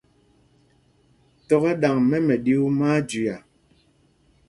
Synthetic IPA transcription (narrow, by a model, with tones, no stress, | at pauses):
tɔ˦˨ɣɛ˦ɗa˨ŋmɛ˦mɛ˨ɗi˦u˦maː˦d͡ʒi˨a˨